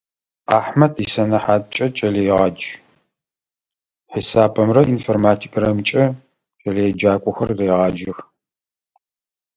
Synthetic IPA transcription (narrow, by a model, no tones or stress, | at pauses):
aːħmɐtʰisɐnɐħaːt̚ʼt͡ʃʼɐt͡ʃʼɐlejʁɑːd͡ʒ | ħisaːbɐmrɐʔinformaːtʰi̥kʼrɐmt͡ʃʼɐ | t͡ʃʼɐlejɛd͡ʒaːkʷʼʊxɐrreːʁɑːd͡ʒɪx